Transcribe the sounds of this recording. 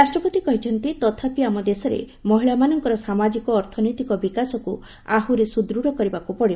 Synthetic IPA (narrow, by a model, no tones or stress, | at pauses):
ɾasʈɾɔpɔt̪ikɔɦit͡ʃʰɔnt̪it̪ɔt̪ʰapiamɔd̪esɔɾḛ | mɔɦiɭamanɔŋkɔɾɔsamad͡ʒikɔːɾt̪ʰɔnɔjt̪ikɔbikasɔku | a̰ɦuɾesud̪ɾuɽɔkɔɾibakupɔɽib